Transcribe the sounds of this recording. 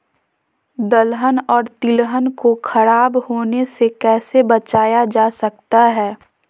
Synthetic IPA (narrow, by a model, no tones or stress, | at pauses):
d̪əlɦənɔːɾt̪ɪlɦənkoxʰɐɾaːbhoːnesekɛːsebɐt͡ʃaːjad͡ʒaːsɐk̚t̪aɦɛː